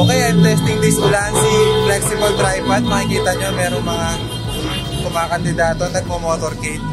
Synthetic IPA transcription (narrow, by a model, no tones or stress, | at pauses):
ʔokɐjat̪ɛst̪ɪŋd̪ɪsʔʊlaːɐnsɪflɛksɪmɐlt̪ɾajbɐt̪̚mɐkɪkiːt̪ɐɲomɛːɾoŋmɐŋa | kʊmakɐnd̪ɪd̪aːt̪onɐɡ̚momoːt̪oɾket̪̚